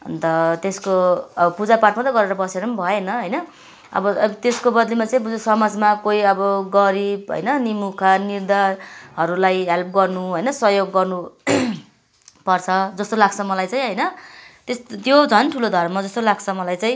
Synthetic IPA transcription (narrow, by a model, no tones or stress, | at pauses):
ʌ̰nt̪ʌt̪eskoʌbʌpud͡zaparʈmat̪ʌɡʌɾeɾʌbʌseɾʌnbʱʌenʌɦʌjnʌ | ʌ̰bʌbt̪eskobʌd̪limat͡saĩbud͡zosʌmad͡zmakoiʌbʌɡʌɾibɦʌ̰jnʌnimukʰanird̪aɦʌɾulajɦelp̚ɡʌrnuɦʌjnʌsʌjoɡːʌrnu | pʌrt͡sʰʌd͡zʌst̪olaɡt͡sʰʌmʌlajt͡saj̃ɦʌjnʌt̪est̪jod͡zʱʌnʈʰulod̪ʱʌrmʌd͡zʌst̪olaɡt͡sʰʌmʌlajt͡sãj̃